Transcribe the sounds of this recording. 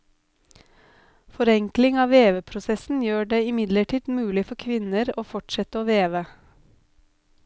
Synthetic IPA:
fɔɾɛŋklɪŋɑːʋeːʋəpʰɾʊsɛsn̩jøːɖeːɪmɪd̪ləʈʰiːd̪̥mʉːlɪfɔɾkʰʋɪnəɾoːfɔʈʃɛt̪əoːʋeːʋə

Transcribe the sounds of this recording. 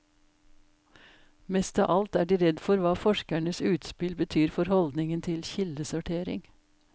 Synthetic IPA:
mɛst̪ɑ̰ːʔɑlt̪æːɖiːɾɛd̪fɔɾʋɑːfɔʃkæɳəsʉːt̪spɪlbət̪ʰyːɾfɔɾhɔld̪nɪŋənt̪ʰɪlçɪld̪əsʊʈʰeːɾɪ̰ŋ

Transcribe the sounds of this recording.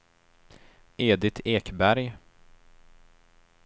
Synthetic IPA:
ʔeːd̪ɪt̪ʰeːkbæɾj

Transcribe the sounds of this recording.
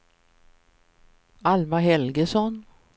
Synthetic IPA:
almaɦɛlɡəsɔn

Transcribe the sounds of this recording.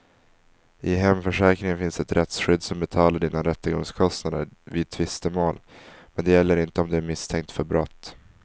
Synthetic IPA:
ʔɪɦɛmːfœʂɛːkɾɪŋənfɪnsɛt̪ɾʔɛt̪sɧʏd̪ːsɔmbɛt̪ʰɑːlaɖiːnaɾɛt̪ːəɡɔŋskʰɔst̪nad̪ə̰ɾvɪd̪̚t̪ʰvɪst̪əmoːlmɛnd̪ɛjɛlːəɾɪnt̪əɔmd̪ɵæɾmɪst̪ʰɛŋk̚t̪fœɾbɾɔt̪ː

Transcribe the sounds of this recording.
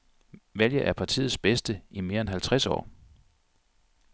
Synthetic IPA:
ʋæljɐʔæɐpʰɑ̈t͡sʰḭːð̩ˠsb̥esd̥əime̝ːɐenɦælt͡sʰʁasɒ̰ː

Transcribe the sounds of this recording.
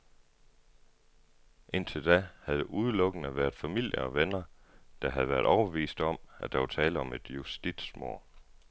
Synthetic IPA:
ʔe̝n̰t͡sʰe̝ld̥æhæðˠʔuð̞ˠlɔɡ̥ənəʋæːɐð̥ˠfæmil̰jəɒ̽ʋenɐ | d̥ɑ̈ɦæð̞̩ˠʋæːɐð̥ˠɒʊɐb̥e̝ʋḭːsd̥ɒ̽mæd̥ɑ̈ʋɑt͡sʰɛːləɒ̽me̝d̥jusd̥id̥smoɐ̰

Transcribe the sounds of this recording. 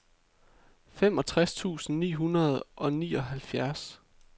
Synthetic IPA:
fem̰ɒ̽t͡sʰʁast͡sʰṵːsn̩nḭːɦunɐð̞ˠʔɒ̽nḭːɒ̽ɦælfjæɐs

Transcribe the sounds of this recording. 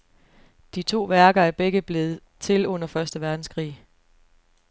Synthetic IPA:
d̥it͡sʰo̝̰ːʋæɐɡ̥ɐæɐb̥eɡ̥əb̥le̝ːð̩ˠ | t͡sʰe̝lɔ̽n̰ɐfɶɐsd̥əʋæɐd̥n̩skʰʁḭː

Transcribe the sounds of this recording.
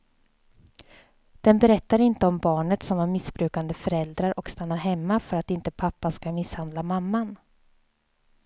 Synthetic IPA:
d̪̥ɛnbɛɾɛt̪ːaɾɪnt̪əɔmbɑːɳət̪sɔmaɾmɪsbɾʉ̟ːkand̪əfœɾɛld̪ɾaɾʔɔkst̪anːaɾɦɛmːafœɾat̪ɪnt̪əpʰapːanskamɪshand̪lamamːan

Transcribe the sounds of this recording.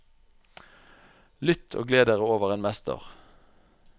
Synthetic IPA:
lʏt̪ʰo̰ːɡleːd̪eːʁəoːʋəʁeːnmɛst̪ə̰ʁ

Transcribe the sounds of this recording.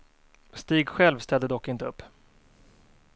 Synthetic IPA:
st̪iːɡɧɛlvst̪ɛld̪əd̪ɔkːɪnt̪əɵpː

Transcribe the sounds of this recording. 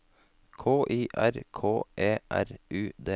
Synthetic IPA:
kʰoːʔiːʔæɾkʰoːʔeːʔæ̰ɾʔʉːd̪eː

